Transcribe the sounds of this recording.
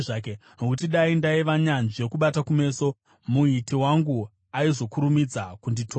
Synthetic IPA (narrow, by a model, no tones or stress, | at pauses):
kenokutiɗaindaiʋaɲanʐekuɓatakume̞ːso̞ | muitiwaŋɡu | aizo̞kuɾumid͡zakunditʰoː